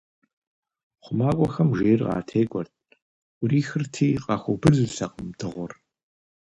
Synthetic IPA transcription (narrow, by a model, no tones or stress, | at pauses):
χʷʊmaːkʷʼɔxɐmʒeːrʁɑ̰ːtʰeːkʷʼɔrt̚ʼʰʷ | ʊriːxɨrtʰiːqʼɑxʷɔbɨɮɨɬɐqʼəmdɨʁʷɔr